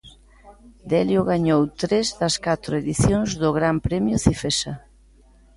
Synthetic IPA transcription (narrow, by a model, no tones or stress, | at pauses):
d̪ɛljʊɣaɲowt̪ɾezðɐskat̪ɾʊeðiθjoŋzðʊɣɾampɾɛmjʊθifesa